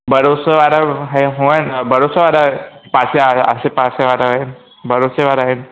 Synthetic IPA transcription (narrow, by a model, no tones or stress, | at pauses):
bəɾosəʋaɾaɦeɦoənbəɾosəʋaɾapaseə̰sepaseʋaɾaɦe | bəɾoseʋaɾaɦen